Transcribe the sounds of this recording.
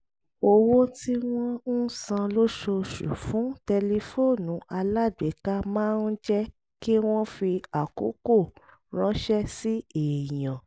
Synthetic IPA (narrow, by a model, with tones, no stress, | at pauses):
o˧wo˦ti˦w̃ɔ̃˦n̩˦sã˧lo˦ʃo˧ʃṵ˨fũ˨˦tɛ˧le˧fo˦˨nũ˨˦a˧la˦˨dwe˨˦ka˦mãː˦˧n̩˦d͡ʒɛ˦ | ki˦w̃ɔ̃˦fi˧a˨ko̰˨˦ko˦˨ | ɾ̃ã˨˦ʃɛ˦si˦e˨jã˨